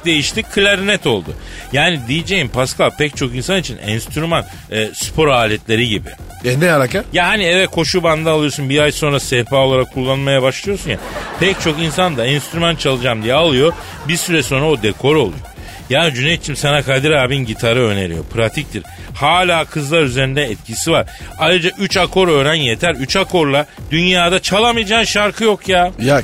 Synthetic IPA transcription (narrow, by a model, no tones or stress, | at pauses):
d̪e̞jiʃt̪ʰikʰɯlʲaɾnɛt̪o̞lˠd̪ʊ̰jaːnid̪ijid͡ʒejimpʰaskalpʰɛc̚t͡ʃʰo̞kinsanit͡ʃʰinɛ̰nst̪yɾyman | ɛːspʰo̞ɾaːlʲɛt̪lʲe̞ɾiɟibḭ | ɛnɛaɾakajaɦaniɛvɛt̪̚kʰo̞ʃuband̪aːlˠɯjo̞sunbiajso̞nɾasɛfaːolˠaɾakʰːulˠːanmajabaʃlˠɯjo̞sunja̰pʰɛct͡ʃʰo̞kinsand̪aɛnst̪yɾymant͡ʃʰalˠɯd͡ʒaːmd̪ijɛalˠɯjo̞ | biɾsyɾɛso̞nɾaod̪ekʰo̞ɾo̞lˠṵjo̰ | jaːnid͡ʒynejt͡ʃʰimsanakʰad̪iɾaːbinɟit̪ʰaɾɯø̞ne̞̰ɾḭjo̞̰pʰɾat̪ʰic̚t̪ʰiɾ̥haːlʲaːkʰɯzlˠaɾyzeɾind̪ɛːt̪̚cʰisivaɾajɾɯd͡ʒaʔyt͡ʃakʰo̞ɾø̞ːɾænje̞t̪ʰæɾyt͡ʃʰakʰo̞ɾlˠad̪̥ynjaːd̪at͡ʃʰalˠamɯjad͡ʒaːnʃaɾkʰɯjo̞kʰjaːja